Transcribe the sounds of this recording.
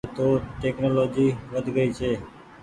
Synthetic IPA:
t̪oʈɛknolod͡ʒiʋəd̪ʱɡəit͡ʃʰe

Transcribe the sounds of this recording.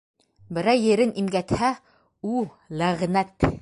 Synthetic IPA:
bɘ̆ɾæwjɘ̆ɾɘnimɡæt̪hæ | u | læʁnæt̪

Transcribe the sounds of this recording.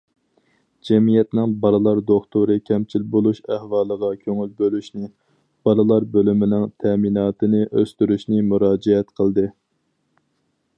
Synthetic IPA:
d͡ʒɛmijɛt̪nɪŋbɑɾɨlˠɑɾd̪oχt̪uɾɨkʲʰɛmt͡ʃʰilbolˠuʃæhwɑːlˠəʁɑkʲʰøŋylbølyʃnɪ | b̥ɑlɨlˠɑɾbølymɪnɪŋt̪ʰɛminɑːt̪ʰɨnɪʔøst̪yɾyʃnɪmuɾɑːd͡ʒɛɛt̪qʰəlˠd̪ɨ

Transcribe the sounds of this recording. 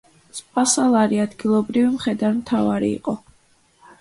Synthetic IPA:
spʼasalˠaɾiad̪ɡilˠɔbɾivimχɛd̪aɾmt̪ʰavaɾḭːqʼɔ

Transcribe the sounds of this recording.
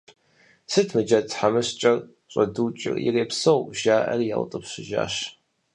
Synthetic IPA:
sɨtʰmɨd͡ʒɐtħamɨɕt͡ʃʼɐr | ɕʷʼɐduːt͡ʃʼɪ̰rḭreːpsowʒaːʔɐ̰rijal̰tʼɨpɕʷɪʒa̰ːɕ

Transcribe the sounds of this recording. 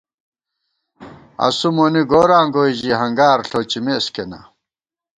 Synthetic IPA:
ɐ̰sumoniɡoːɾaːŋɡojʑiɦɐŋɡaːɾɬot͡ɕimeskena̰

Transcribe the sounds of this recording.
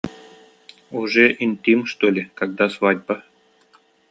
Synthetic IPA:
uʐɛʔinʲt̪ʲimʂt̪olʲɪkɑɡ̚d̪ɑsvɑdʲba

